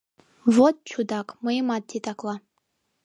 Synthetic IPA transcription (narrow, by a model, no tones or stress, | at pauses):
vot̚ʼt͡ʃʰudakʼmɨimat̚ːʰetʼakʼlˠa